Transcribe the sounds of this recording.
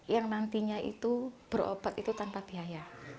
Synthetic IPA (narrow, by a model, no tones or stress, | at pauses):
jaŋnant̪iɲaḭt̪ub̥əɾo̰b̥at̪it̪ut̪anpab̥iɦaja